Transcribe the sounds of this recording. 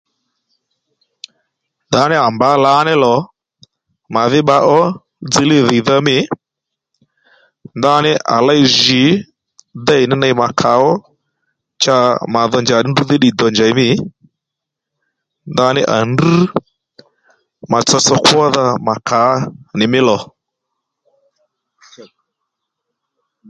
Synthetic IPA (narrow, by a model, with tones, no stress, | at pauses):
nda˨˦nɪ˦a˨mba˨˦la˨˦nɛ˦lɔ˨ | ma˨ðɪ˦ɓa˦ʔɔ˦ | d͡zi˦lɪ˦ðɪ˨ða˦mɪ˦ | nda˦nɪ˦ʔa̰˨la˦jʒi˨˦ | d̪a˦ɪ˨nɪ˦na˧jma˨kʰa˨˦ɔ˦ | t͡ʃa˧˦ma˨ðɔ˧nd͡ʒa˨nɪ˦ndu˦ðɪ˦ɗi˨dɔ˨nd͡ʒa˨jmɪ˦ | nda˧˦nɪ˦ʔa̰˨ndu˦ | ma˨t͡sɔ˧sɔ˦kwɔ˦ða˧ma˨kʰa˨˦nɪ˨mɪ˦lɔ˨